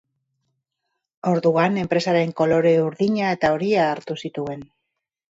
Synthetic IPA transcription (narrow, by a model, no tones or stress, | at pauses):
o̞ɾðuane̞mpɾe̞saɾe̞ŋko̞lo̞ɾe̞uɾðiɲae̞t̪ao̞ɾiaːɾt̪usit̪ue̞n